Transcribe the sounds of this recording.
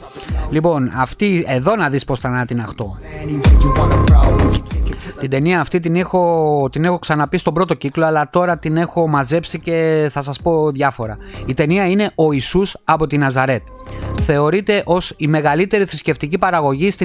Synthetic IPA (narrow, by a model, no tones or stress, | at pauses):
lipo̞nɐft̪ie̞ðo̞nɐðispo̞sθɐnɐt̪inɐxt̪o̞ | t̪id̪e̞niɐːft̪it̪inexot̪ine̞xo̞ksɐnɐpist̪o̞bɾo̞t̪o̞ciklo̞ɐlɐt̪o̞ɾɐt̪ine̞xo̞mɐze̞psice̞θɐsɐspo̞ðʝɐfo̞ɾɐ̰it̪e̞niɐine̞ʔo̞isusɐpo̞t̪inɐzɐɾe̞t̪ | θe̞o̞ɾit̪e̞ʔo̞sime̞ɣɐlit̪e̞ɾiθɾisce̞ft̪icipɐɾɐɣo̞ʝist̪i